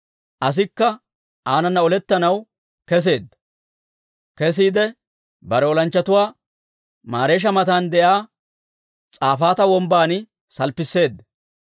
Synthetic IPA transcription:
ʔɐs̬ɪkːɐ | aːnɐnːɐɔlɛt̪ːɐnɐw | kɛs̬e̞ːd̪ːɐ | kɛs̬iːd̪ɛ | bɐɾɛɔlɐnt͡ʃːɐt̪ʊwaː | maːɾe̞ːʃ̬ɐmɐt̪aːnd̪ɛʔaː | t͡sʼaːfaːt̪ɐwɔmbaːnɪ | sɐlpːɪsːe̞ːd̪ːɐ

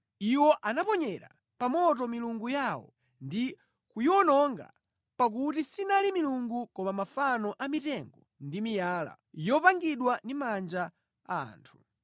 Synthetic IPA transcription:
iwɔʔanapɔɲɛɾa̰ | pamɔtɔmiluŋɡujawɔ̰ | ndi | kujɔnɔŋɡa̰ | pak̬utisinalimiluŋɡukɔmamafanɔʔamitɛŋɡɔ | ndimijaːla̰ | jɔpaŋɡiɗwandimand͡ʒa | a̰ːntʰu̥

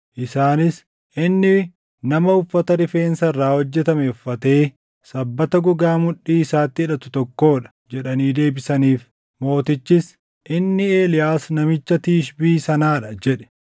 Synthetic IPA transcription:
ʔɪsaːnɪs | ʔɪnːɪ | nɐmɐʊfːɐt̪ɐɾɪfe̞ːnsɐrːaːhɔd͡ʒːɛt̪ɐmefːɐt̪e̞ː | sɐbːɐt̪ɐɡʊɡaːmʊᶑːiːɪsaːt̪ːɪᶑɐt̪ʊt̪ɔkːo̞ːᶑɐ̥ | d͡ʒɛᶑɐniːd̪e̞ːbɪsɐniːf | mo̞ːt̪ɪt͡ʃːɪs | ʔɪnːɪeːlɪjaːsnɐmɪt͡ʃːɐt̪iːʃbiːsɐnaːᶑɐd͡ʒɛᶑɛ̥

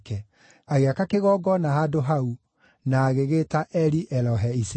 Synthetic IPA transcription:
kɛ | aɣeakakeɣɔɡɔnahadoɦau | naːɣeɣeːtaʔɛɾiʔɛlɔɦɛise

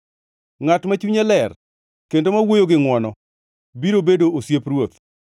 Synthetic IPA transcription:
ŋatmat͡ʃuɲɛlɛr | kendomawojoɡɪŋwɔnɔ | biɾobedoosjepɾwot̪̚

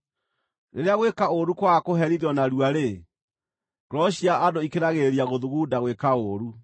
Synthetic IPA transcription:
neɾeaɣwekaoɾukwakoɦɛɾiðɔnaɾwaɾe | ɡ̥ɾɔɕiaʔadoikeɾaɣeɾiaɣoðuɣudaɣwekaoɾu

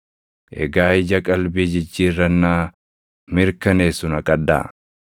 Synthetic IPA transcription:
ʔɛ̰ɡaːɪd͡ʒɐkʼɐlbiːd͡ʒɪd͡ʒːiːrːɐnːaː | mɪɾkɐneːsʊnɐkʼɐd̪ːa̰ː

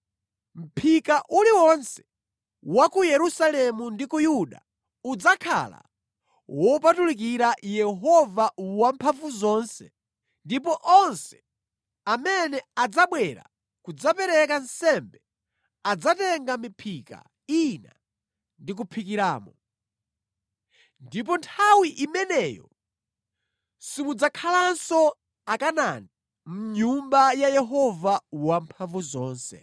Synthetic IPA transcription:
m̩pʰikaʔuliwɔnsɛ̥ | wakujɛɾusalɛmundikujuɗa̰ | ud͡zakʰa̰la̰ | wɔpatulik̬iɾajɛɦɔvawampʰafuzɔːnsɛ | ndipɔʔɔnsɛ̥ | amɛnɛad͡zaɓwɛɾa̰ | kud͡zapɛɾɛkansɛmbɛ | ad͡zatɛŋɡamipʰika̰ | ina̰ | ndik̬upʰikiɾaːmɔ | ndip̬ɔntʰawiʔimɛnɛːjɔ̰ | simud͡zakʰalansɔ | akanani | m̩ɲumbajajɛɦɔvawampʰaɱvuzɔːnsɛ̰

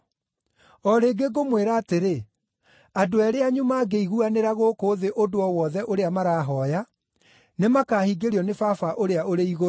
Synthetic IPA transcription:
ɔɾeɡeɡomweɾaːteɾe | adoɛɾeaɲumaːɡeiɣuaneɾaɣokoðeʔodoɔwɔðɛʔoɾeamaɾaːɦɔja | nemakaːhiɡeɾiɔnefafaʔoɾeaʔoɾeiɣo

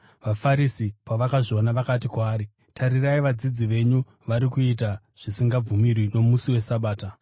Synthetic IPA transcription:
ʋafaɾisipaʋakaʐionaʋakatikwaːɾi | tʰaɾiraiʋad͡zid͡ziʋe̞ɲu | ʋaɾikuita | ʐ̥isiŋɡab͡vumirwino̞musiwe̞saɓaːta

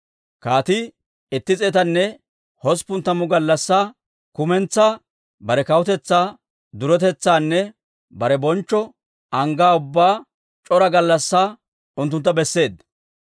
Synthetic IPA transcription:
kaːt̪ɪ | ɪt̪ːɪt͡sʼeːt̪ɐnːɛ | hɔspʊnt̪ːɐmʊɡɐlːɐsːaː | kʊmɛnt͡sːaː | bɐɾɛkɐwʊt̪ɛt͡sːaː | d̪ʊɾɔt̪̬ɛt͡sːaːnːɛ | bɐɾɛbɔnt͡ʃːɔ | ɐŋɡaːʊbːaː | t͡ʃʼɔɾɐɡɐlːɐsːaː | ʊnt̪̬ːʊnt̪ːɐbɛsːe̞ːd̪

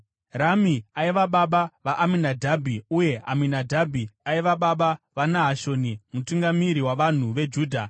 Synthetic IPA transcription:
ramiaiʋaɓaɓaʋaʔaminadʱabʱiuje̞a̰minadʱabʱiaiʋaɓaɓaʋanaɦaʃonimutuŋɡamiɾiwaʋan̤uʋe̞d͡ʒuːdʱa

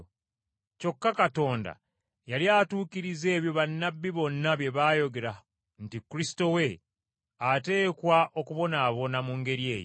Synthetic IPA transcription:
co̞kːakato̞ːnda̰ | jaliaːtuːkiɾize̞ːβjo̞βanːabːiβo̞nːaβje̞βaːjo̞ɡe̞ɾa | ntikːuɾisi̥to̞we̞ | ate̞ːkwaʔo̞kuβo̞naːβo̞namuŋɡe̞ɾie̞ːjo̰

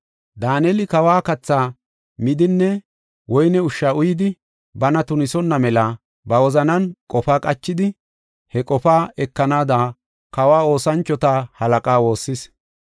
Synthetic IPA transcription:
d̪aːnɛlɪkɐwaːkɐt͡sːaː | mɪd̪ɪnːɛ | wɔjnɛʊʃːaːʊjɪd̪ɪ | bɐnɐt̪ʊnɪsɔnːɐmɛlɐ | bɐwɔzɐnɐnkʼɔfaːkʼɐt͡ʃːɪd̪ɪ | hɛkʼɔfaːɛkːɐnaːd̪aː | kɐwaːo̞ːsɐnt͡ʃːɔt̪ahɐlɐkʼaːwo̞ːsːɪs

